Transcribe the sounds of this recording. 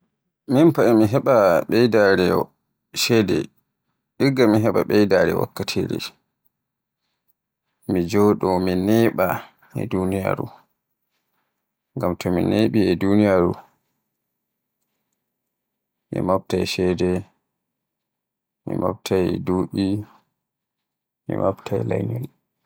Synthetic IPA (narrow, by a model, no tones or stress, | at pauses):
minpaʔɛmiɦɛɓaɓɛjdaɾɛɔ | ʃɛdɛ̰ | ɗiɡːamiɦɛɓa̰ɓɛjdaɾɛ̰wa̰kːatʰiɾɛ̰ | mid͡ʒɔːɗɔminɛɓa | ɛ̰dunija̰ɾṵ | ŋɡamtʰɔmineɓiɛdunijaɾu | mḭmap̚tajʃɛdɛ | mḭma̰b̚tʰajduɗi | mḭmabtʰajla̰jnɔl